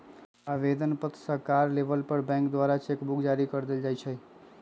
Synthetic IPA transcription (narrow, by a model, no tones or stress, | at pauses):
aʋed̪ənpət̪səɾkaɾlebəlpəɾbɛ̃ŋkd̪waɾat͡ʃekbukʰd͡ʒaɾikəɾd̪eld͡ʒajt͡ʃʰə